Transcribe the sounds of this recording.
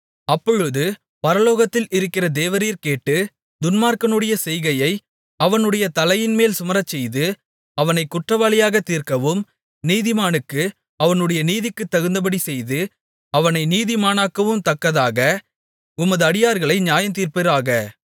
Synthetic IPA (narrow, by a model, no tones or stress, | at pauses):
ɐpːɔɻɯðɯ | pɐɾɐloːɣɐt̪ːɪlɪɾɯkːɪrɐd̪eːʋɐɾiːɾkeːʈːɯ | d̪ʊnmaːɾkɐnɯɽɐjɐsɛjɣɐjɐɪ | ɐʋɐnɯɽɐjɐt̪ɐlɐjɪnmeːlsʊmɐɾɐt͡ʃːɛjðɯ | ɐʋɐnɐɪkːʊʈrɐʋaːlɪjaːɣɐt̪iːɾkɐʋɯm | niːðɪmaːnɯkːɯ | ɐʋɐnɯɽɐjɐniːðɪkːɯt̪ːɐɣɯnd̪ɐp̬ɐɽisɛjðɯ | ɐʋɐnɐɪniːðɪmaːnaːkːɐʋɯmt̪ɐkːɐðaːɣɐ | ʊmɐðɯɐɽɪjaːɾɣɐɭɐɪɲjaːjɐnt̪̬iːɾpɪɾaːɣɐ